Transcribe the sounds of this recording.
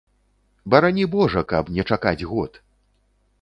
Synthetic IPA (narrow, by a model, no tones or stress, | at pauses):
bɐɾanʲibɔʐɐkɐpnʲɛt͡ʂakad͡zʲɣɔt̪